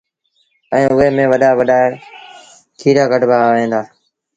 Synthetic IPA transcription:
ɛ̃ːʊɦeːmẽːʋəɗaːʋəɗaː | kʰiːɾaːɡəɖbaːʋẽːnd̪aː

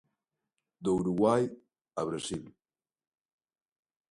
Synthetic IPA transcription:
d̪ouwɾuɣwaj | aβɾasil

